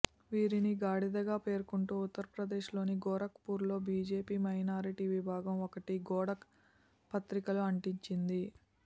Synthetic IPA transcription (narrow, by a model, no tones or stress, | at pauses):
ʋiːɾiniɡaːɽid̪ɐɡaːpe̞ːɾkuɳʈuːut̪ːɐɾɐpɾɐd̪e̞ːʃlo̞ːniɡɔːɾɐkpuːɾlo̞ːbʱiːd͡ʒe̞ːpiːmɐjnaːɾiʈiʋibʱaːɡɐmɔkɐʈiɡɔːɽɐk | pɐt̪ɾikɐluɐɳʈiɲt͡ʃind̪i